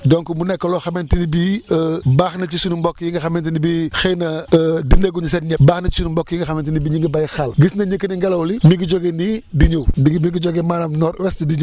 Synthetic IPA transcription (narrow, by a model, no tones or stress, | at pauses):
dɔŋkumunɛkːolɔxɐmentinibiəbaːxnɐt͡ʃisunumbɔkːjiŋɡɐxɐmentinibixenɐdineɡuɲus̬ɛnɲɛbaːxnɐt͡ʃi̥sunumbɔkːjiŋɡɐxɐmentinibiɲiŋɡəbajxɐlɡisnɐɲəkːəniŋɡɛlɐwlimiɡiɟɔɡenidiɲowdiɡmiɡiɟɔɡemaːlɐmnɔɾwɛstdiɲo